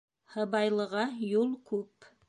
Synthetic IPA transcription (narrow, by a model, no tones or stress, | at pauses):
hɤ̆bɑjlˠɤ̆ʁɑjulˠkʉp